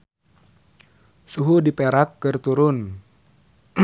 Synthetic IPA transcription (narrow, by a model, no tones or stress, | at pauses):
suɦudipeɾakːɨrt̪uɾʊn